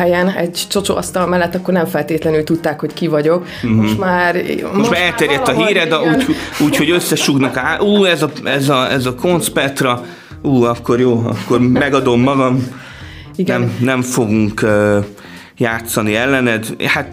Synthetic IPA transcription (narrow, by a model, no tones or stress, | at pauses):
ɛjɛnɛɟt͡ʃo̞t͡ʃo̰ʔɒst̪ɒlmɛlːɛt̪ːɒkːo̞rnɛɱfɛlt̪eːt̪lɛnylt̪ut̪ːaːkho̞ckivɒɟo̞k | mt̪maːɾ̰moʃmaːɾɛlt̪ɛɾjɛt̪ːɒɦiːɾɛd̪ɛuːcuːcho̞ɟø̞sːɛʃuɡnɒkaʔuːɛzɒɛzɒɛzɒko̞nspɛt̪rɒ | uːɒkːo̞ɾjoːɒ̰kːo̞rmɛɡɒd̪o̞mːɒɡɒm | iɡnɛmnɛɱfo̞ɡuŋkø | jaːt̪sɒniɛlːɛnɛd̪hat̪